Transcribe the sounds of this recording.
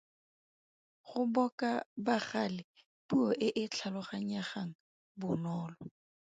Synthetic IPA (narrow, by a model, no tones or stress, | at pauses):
χʊbɔkʼabaχalɪ | puɔʔɪʔɪt͡ɬʰalɔχaɲ̩aχaŋ̩ | bʊnɔːlɔ